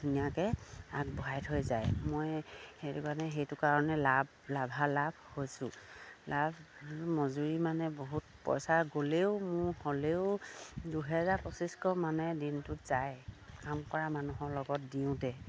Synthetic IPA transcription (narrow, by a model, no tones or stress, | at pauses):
dunijakɛak̚bɔɦajtɦojzajmojxetukanɛɦejtʊkaɹɔnɛlab | labʱalabʱhojsʊ̃lʔabmɔzuɹimanɛboɦut̚pɔ̰jsaɡoleʊmʊɹholeʊduɦɛzaɹpɔsiskɔmanɛdintʊz̥ajkamkɔɹamanuɦɔɹlɔɡɔt̚diʊ̃tɛ